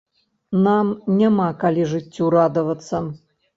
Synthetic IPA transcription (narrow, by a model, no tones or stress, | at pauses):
namnʲamakalʲiʐɨtʲːuɾad̪ɐvɐt̪sːɐ